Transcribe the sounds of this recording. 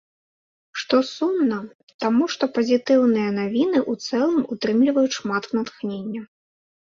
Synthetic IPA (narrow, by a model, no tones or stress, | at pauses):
ʂt̪ɔsumnɐ | t̪amuʂt̪ɔpɐzʲit̪ɨwnɨjɐnavʲinɨʔut̪sɛlˠɨmut̪ɾɨmlʲivɐjutʂmat̪nɐt̪xnʲenʲːɐ